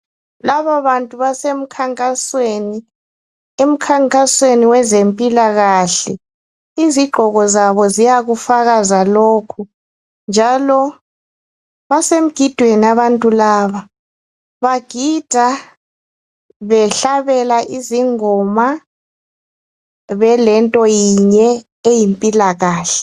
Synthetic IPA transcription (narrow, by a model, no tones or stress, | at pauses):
laβaβantʼuβasem̩kʰaŋkʼasweni | em̩kʰaŋkʼasweniwɛzempʼilaɣaɬɛ | iziɡ͡ǃʱɔɣɔzaβɔzijaɣufaɣazaloːkʰu | nd͡ʒʱalɔ | βasem̩ɡ̥ʱid̥ʱweniaβantʼulaːβa | βaɡ̥ʱid̥ʱa | βɛɬaβɛlaʔiziŋɔma | βɛlɛntʼɔjiɲɛ | ejimpʼilaɣaːɬɛ̥